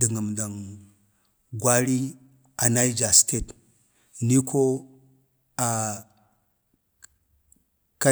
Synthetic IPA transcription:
də˨ŋə˨mda˨ŋ | ɡwa˦ɾi˦ | a˨na˦i˦d͡ʒa˨ste˦˨t | ni˦kʰo˦ | a˨ | ka˦

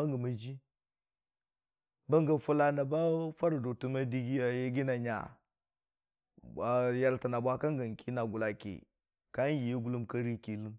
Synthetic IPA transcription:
a˦ŋɡa˨ma˨d͡ʒi˦ | ba˦ŋɡa˨fu˦la˦na˨ba˦fa˦ɾdo˨tu˦ma˦di˦ɡi˦ja˨je˦ɡi˦na˨ɲa̰˨ | ba˦ja˦lta˨na˨bʷa˦ka˦ŋɡa˨n˨ki˦na˨ɡu˨la˨kḛ˨ | ka˦ji˨je˦ɡu˦lu˦mka˦ɾi˦ki˨lɨ˦m

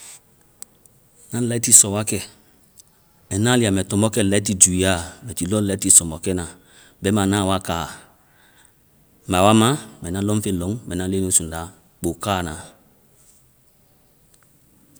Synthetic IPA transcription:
nã˦la˦ti˦sɔ˨wa˦kɛ˦ | ɛ˨nã˦li˦a˨mɛ˨tɔ̃˨mbɔ˦kɛ˦˨lɛ˨˦i˦ti˦˨d͡ʒu˨i˨a˦˨mɛ˨ti˨lɔ˦lɛ˨˦ti˦˨sɔ˨mɔ˨kɛ˦nã˨ | bɛ˨˦mã˨nã˦˨wa˦kaː˨ | ma˨wa˦mã˦mɛ˨nã˦lɔ˦fe˦lɔ˨˦ŋmɛ˨nã˦le˦n˦o˨˦sũ˨n˨da˨˦ | k͡po˨kaː˦˨nã˨

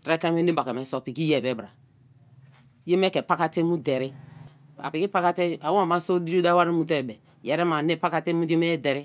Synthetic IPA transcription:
tɾɛ˦ka˦me˦ne˦ba˨kɛ˨mɛ˨˦so˨pi˨ki˦jɛ˨bɛ˨˦bɾa˨ | je˦mɛ˦kɛ˨pa˦ka˦te˦mu˦dɛ˨ɾi˦ | a̰˨pi˨ki˦pa˦ka˦te˦a˨wma˦so˦di˦ɾo˦da˦wa˦ɾi˦mu˦tɛ˦˨bɛ˨ | jɛ˨ɾe˦ma˨ne˦pa˦ka˦te˦mu˦e˦me˦dɛ˨ɾi˦

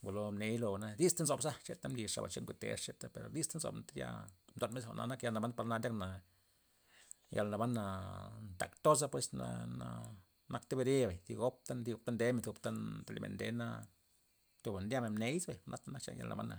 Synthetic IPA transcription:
ɡo˨lo˧mne˧˦jlo˧˨na˧d̪i˦st̪a˦nzo˧˨bsa˦t͡ʃe˦t̪a˦mli˧ʂʂa̰˨ba̰˨t͡ʃe˦ŋkʷu˧˨t̪ḛ˨˦ʂt͡ʃe˦t̪a˦pe˨ɾo˨d̪i˦st̪a˦nzo̰˨bnt̪a˦ja̰˧md̪o˨nme˦sxo̰˧˨nʔa̰˧na˦kja˧lna˨ba˦npa˧na˧d̪ʲa˦kna˨ | ja̰˧lna˨ba˦nːa˨nt̪a˨kt̪o˦s̬a˦pwe˧sna̰˧na˧ | na˧kt̪e˦be˧ɾe˦ba˨jt̪i˧ɡo˦p̚t̪a˦nd̪i˧o˧b̚t̪a˦nd̪e˨˦me˧nt̪u˧bt̪a˦t̪e˧lḭ˧mḛ˨nd̪e˧˦na˧ | t̪u˧ba˨nd̪ja˦me˨nmne˦jsbe˨jnʔa˦t̪a˦na˦kt͡ʃa̰˧˦ja̰˧lna̰˨ba̰˦nːa̰˨

